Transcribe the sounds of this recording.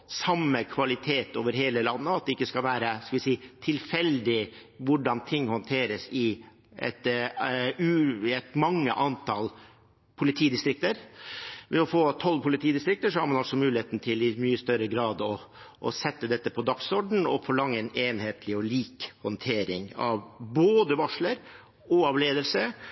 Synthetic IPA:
sɑmːəkʰʋɑlɪt̪ʰeːt̪oːʋəɾɦeːləlɑnːəɑt̪̚d̪ɛɪkːəskɑlʋæːɾəskɑlʋɪsiːt̪ʰɪlfɛld̪ɪʋʊɖɑnt̪ʰɪŋːhɔnt̪ʰeːɾəsɪ | ʔɛ̰t̪ | ʉɛt̪mɑŋːə̰ʔɑnt̪ʰɑl | pʰʊlɪt̪ʰiːd̪ɪst̪ɾɪk̚t̪əɾʋɛɔfoːt̪ʰɔlːpʰʊlɪt̪ʰiːd̪ɪst̪ɾɪkt̪əʂɔhɑɾmɑnɑlsɔmʉːlɪheːt̪nt̪ʰɪlɪmyːəst̪œɾəɡɾɑːd̪ɔ | ʔɔ̰sɛt̪ːəd̪ɛt̪ːəpʰɔd̪ɑksɔɖɳ̩ɔ̰fɔɭɑŋːəɛneːnheːt̪ʰlɪɔliːkhɔnt̪ʰeːɾɪŋɑ̰ʋboːd̪əʋɑʂɭəɾ | ɔɑʋleːd̪əlsə

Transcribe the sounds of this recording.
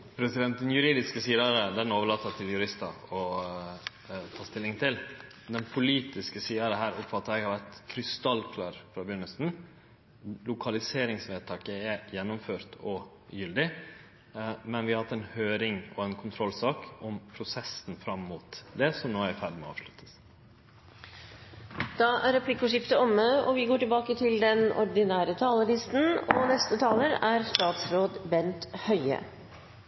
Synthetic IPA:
pʰɾɛsɪd̪ɛnt̪̚d̪ɛnjʉɾiːd̪ɪskəsiːd̪ɑɾəd̪ɛnoːʋəɭɑːt̪ːət̪ʰːɪljʉɾɪst̪ɑɔ | t̪ʰɑːst̪ɪlːɪŋt̪ʰɪl | d̪ɛnpʰʊliːt̪ɪskəsiːəɾəɦæːɾʊpfɑt̪ːəɾɛɡhɑɾʋæt̪kʰɾʏst̪ɑlkʰlɑɾfɾɑːbʏnːəsn | lʊkʰɑlɪseːɾɪŋsʋeːd̪t̪ʰɑːkəɛjɛnːʊmføːɾt̪ɔ | jʏld̪ɪ | mɛnʋɪhɑhɑt̪ːɛnhøːɾɪŋɔɛnkʰʊnt̪ʰɾɔlsɑːkɔmpʰɾʊsɛsn̩fɾɑmːuːt̪d̪ɛsɔmnoːæɾfæɖmɛ̰ɑ̰ːʋʂlʉt̪ʰːə̥s | d̪̥ɑæɾɛpʰlɪkːʊʂɪft̪əɔmːəɔʋɪɡoːʈɪlbɑːkət̪ʰɪld̪ɛnɔ̰ɾɖ̪ɪnæːɾət̪ʰɑːləɭɪst̪n̩ɔnɛst̪ət̪ʰɑːləɾæɾst̪ɑːt̪sɾoːd̪bɛnt̪hœʏə̰

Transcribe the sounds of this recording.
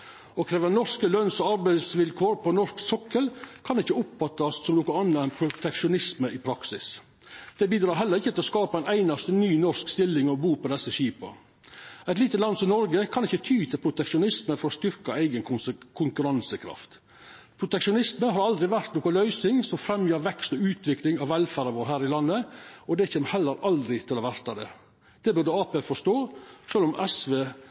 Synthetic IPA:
ɔkʰɾeːʋənɔʂkəlœnsɔɑɾbæɪsʋɪlkʰoːɾpʰɔnɔʂksɔkːəlkʰɑnɪçːəʊpfɑt̪ːɑssɔmnuːkəɑnːəɛɪnpʰɾʊt̪ʰɛkʂʊnɪsməʔɪpʰɾɑksɪs | d̪̥ɛbiːd̪ɾɑːɾɦɛlːəɾɪçːət̪ɪɔskɑːpɑæɪnæɪnɑst̪ənyːnɔɾskst̪ɪlːɪŋɔɔbuːpɔd̪ɛsːəʃiːpɑ̰ | ɛɪt̪liːt̪ət̪lɑnsɔmnɔɾɡəkʰɑnɪçːət̪ʰyːt̪ʰɪlpʰɾʊt̪ɛkʂʊnɪsməfɔɾɔst̪ʏɾkɑæɪɡənkʰʊŋkʉɾɑnsəkʰɾɑ̰ft̪ | pʰɾʊt̪ɛkʂʊnɪsməɦɑɾɑld̪ɾɪʋæɾt̪noːkɔlœʏsɪŋsɔmfɾɛmjøːɾʋɛkst̪ɔʉːt̪ʰʋɪklɪŋɑʋɛlfæːɾɑʋoːɾɦæːɾɪlɑnːəɔd̪ɛçeːməhɛlːəɾɑld̪ɾɪt̪ʰɪlɔʋæɾt̪ɑd̪ɛ̰ː | d̪̥ɛbʉɾd̪əɑːpeːfɔʂt̪oːʂøːlɔmʔɛsʋeː

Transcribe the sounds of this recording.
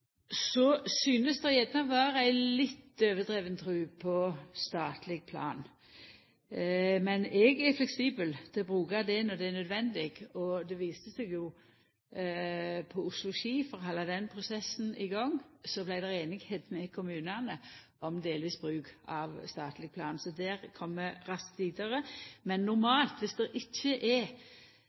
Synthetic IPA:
sɔsyːnəsd̪ɛjɛd̪nɑʋɑːɾæɪlɪt̪ːøːʋəd̪ʁeːʋənət̪ʰɾʉːpʰɔst̪ɑːt̪lɪɡ̚pʰlɑ̰ːn | mɛnɛɡæɾflɛksiːbəld̪̥ʰɛbɾʉːkɑd̪ɛnɔd̪ɛænœd̪ʋɛnd̪ɪɡɔd̪ɛʋiːst̪əsɛɡjʊ | pʰɔʊslʊʃiːfɔɾhɑlːɑd̪ɛnpʰɾʊsɛsn̩ɪɡɑŋːsɔblæɪd̪ɛʁeːnɪɡheːd̪mɛkʰʊmʉːnənə | ʔɔmd̪eːlʋiːsbɾʉːɡɑʋst̪ɑːt̪lɪɡ̚pʰlɑːnsɔd̪æɾkʰɔmːəɾɑskt̪ʋiːd̪əɾəmɛnːʊɾmɑːlt̪ʋɪsd̪ɛʔɪçːəʔæ

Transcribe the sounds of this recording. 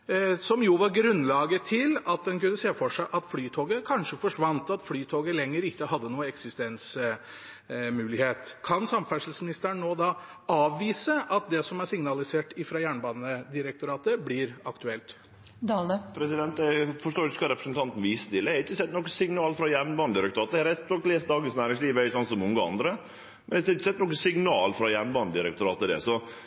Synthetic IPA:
sɔmjuʋɑɾɡɾʉnlɑːɡət̪ʰɪlɑt̪̚d̪ɛnkʉnːəseːfɔʂæɪʔɑt̪flyːt̪ʰoːɡəkʰɑnʂəfɔʂʋɑnt̪ɑt̪flyːt̪ʰoːɡəlɛŋːəɾɪkːəhɑd̪ːənuːəɛksɪst̪ɛns | mʉːlɪheːt̪kʰɑnsɑmfæʂlsmɪnɪst̪əɾɳnoːd̪ɑ | ɑːʋːiːsəʔɑt̪̚d̪ɛsɔmæɾsɪŋnɑlɪseːʈɪfɾɑjæːɳbɑːd̪nəd̪ɪɾɛk̚t̪ʊɾɑːt̪əblɪɾɑkt̪ʉɛlt̪ | d̪ɑləpʰɾɛsɪd̪ɛnt̪ɛfɔʂʈ̪oːkɑɾɛpɾəsənt̪ɑnt̪n̩ʋist̪ɪlːəhɛɾɪçːəsɛt̪ːnɔkːəsɪŋnɑːlfɾɑjæɳbɑːnəd̪ɪɾɛkt̪ʊɾɑːt̪hɛɾɛsɔkleːsd̪ɑːɡənsnæːɾɪŋsliːʋœɪsɑnt̪sɔmʊŋɡəɑ̰nd̪ɾə | mɛnɛɪsɾɪçːəsɛt̪ːnɔkːəsɪŋnɑːlfɾɑjæːɳbɑːnəd̪ɪɾɛk̚t̪ʊɾɑːt̪əd̪ɛ̰sɔ

